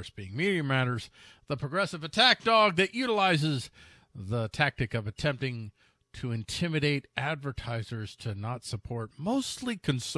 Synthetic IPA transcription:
sb̥iɪ̃ŋmiɾiɨmæɾə˞z̥ | ðəpʰɹ̥ɨɡɹɛsɨvɨtʰæk̚d̥ɔɡ̚ðɨʔjʉɾəlaɪzɪz | ðətʰæk̚tɨkʌvɨtʰɛ̃mp̚tɪ̃ŋ | tʰɨɨ̃ntʰɪmɨɾeɪɾʔædvə˞tʰaɪzə˞z̥tʰɨnətsəpʰɔɹt̚moʊstˡlikʰɨ̃ns

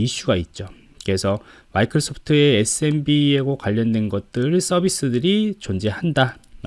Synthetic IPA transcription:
iɕ͈uɡait̚t͡ɕ͈o | ke̞sʰʌ | maikʰɾʌs͈ʰopʰɯ̥tʰɯe̞es͈ɯe̞nbieɡokwaʎːʌndwe̞nɡʌt̚t͈ɯɭs͈ʌbʱis͈ɯdɯɾit͡ɕond͡ʑe̞handa

